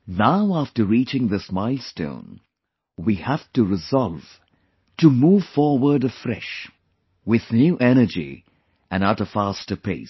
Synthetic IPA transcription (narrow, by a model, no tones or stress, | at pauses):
naʊæftə˞ɹit͡ʃɪ̃ŋðɪsmaɪlˠstõ̰ʊ̃n | wihæftɨɹɨzɑlˠv̥ | tɨmuːv̥fɔɹwə˞dɨfɹɛ̰ʃ | wɪð̥njuːʔɛñə˞d͡ʒḭ | ɨ̃naʊɾəfæstəpʰḛɪs